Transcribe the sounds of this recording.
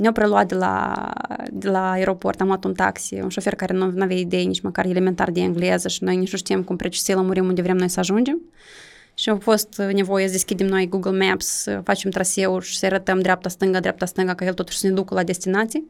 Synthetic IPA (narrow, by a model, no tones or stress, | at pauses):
nʲawpɾeluat̪̚d̪ʲela̰ | d̪elaeɾo̞po̞̰rt̪amlat̪unt̪a̰ksḭunʃo̞fe̞rkaɾenunuavjaid̪ejenit͡ʃməkarelement̪a̰rd̪ʲeɨŋɡlezəʃino̞jnit͡ʃnuʃt̪ijemkumpɾʔet͡ʃi̥seləmuɾimund̪evɾemnojsəaʒund͡ʒe̞m | ʃiawfo̞st̪ne̞vo̞jesəd̪eskʲid̪emno̞jɡuɡəlmɛpssə̰fat͡ʃemt̪ɾase̞uʃi̥səaɾət̪əmd̪ɾʲeap̚t̪ast̪ɨŋɡad̪ɾʲap̚t̪ast̪ɨŋɡakajelt̪o̞t̪u̥ʃsəne̞d̪ukəlad̪e̞st̪inat̪sij